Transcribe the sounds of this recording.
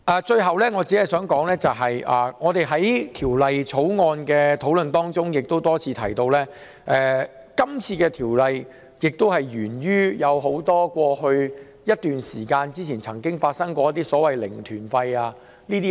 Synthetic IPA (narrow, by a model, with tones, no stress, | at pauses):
ʔaː˨t͡ʃɵ˧ɥɦɐ˨wlɛː˥ŋɔː˨˧t͡siː˨˥hɐ˨˩jsœː˨˥ŋkɔː˨˥ŋlɛː˥t͡sɐ˨wɦɐ˨ja̰ː˨ŋɔː˨˧t̪e˨jɦɐ˨˥jt̪ʰiː˨˩wlɐ˨jt͡sʰo˨˥wŋɔː˧nkɛː˧t̪ʰo˨˥wlɵ˨nt̪ɔː˥ŋt͡sʊ˥ŋjɪ˨k̚t̪o˥wt̪ɔː˥t͡sʰiː˧t̪ʰɐ˨˩jt̪o˧wlɛː˥ | ʔɛː˧ | kɐ˥mt͡sʰiː˧kɛː˧t̪ʰiː˨˩wlɐ˨j | jɪ˨k̚t̪o˥whɐ˨jɥyː˨˩nɥyː˥jɐ˨˧wɦo˨˥wt̪ɔː˥kʷɔː˧hɵ˧ɥ | jɐ˥t̚t̪yː˨nsiː˨˩kaː˧nt͡siː˥t͡sʰiː˨˩nt͡sʰɐ˨˩ŋkɪ˥ŋfaː˧t̚sɐ˥ŋkʷɔː˧jɐ˥t̪̬iː˥sɔː˨˥wɐ˨jlɪ̰˨˩ŋt̪ʰyː˨˩nfɐ˧jaː˧ | niː˥t̪i˥